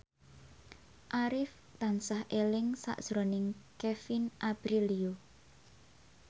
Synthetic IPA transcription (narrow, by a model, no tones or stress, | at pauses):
ʔaɾɪf | t̪ansahʔelɪŋsa̰ʔd̥ʒ̥ɾonɪŋkefinʔab̥ɾilio